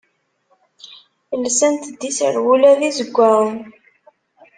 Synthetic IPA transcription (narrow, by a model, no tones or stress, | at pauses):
lsænt̪d̪ːisə̰ɾwulæðizəɡʷːæɾˤən